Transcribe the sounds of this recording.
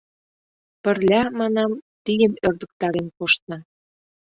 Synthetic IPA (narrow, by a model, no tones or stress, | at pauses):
pə̆rlʲɑmɑnɑmt̪ijəmørd̪ə̆k̚t̪ɑɾenkoʃt̪̚nɑ